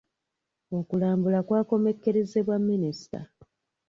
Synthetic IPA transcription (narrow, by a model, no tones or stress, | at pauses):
o̞kulaːmbulakwaːko̞me̞kːe̞ɾe̞zeβwamːinisi̥ta̰